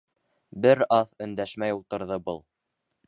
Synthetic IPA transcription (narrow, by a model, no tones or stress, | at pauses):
bɘɾɑθɵ̆nd̪æʃmæjulˠt̪ɤ̆ɾðɤbɤlˠ